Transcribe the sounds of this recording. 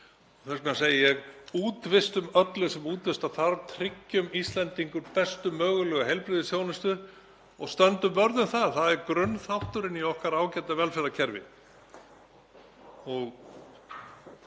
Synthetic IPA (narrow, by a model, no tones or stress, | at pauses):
ɔθɛsknas̬eːjɪjɛɣuːt̪vɪst̪ʏmœt̪lʏsɛmuːt̪vɪst̪aθaɾt̪ʰɾɪcːʏmist̪lɛnt̪iŋkʏɾpɛst̪ʏmːœːɣʏlœːɣaɦejlpɾɪðɪsjoːwnɪst̪ʏ | ɔɣst̪œnt̪ʏmːœɾðʏnθaðθaðɛɾkɾʏnθaht̪ʏɾɪniɔhkaɾaːwcɛt̪avɛlfɛɾacʰɛɾvɪ̰ | ɔɣ